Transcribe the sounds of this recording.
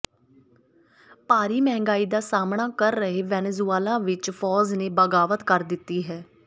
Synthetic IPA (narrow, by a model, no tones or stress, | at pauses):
paːɾiːmɛ̃ːŋɡaːiːd̪aːsaːmɳaːkəɾːəɦeːʋɛːnezuaːlãːʋɪt͡ʃpʰɔːzneːbəɡaːʋət̪kəɾd̪ɪt̪ːiːɦɛː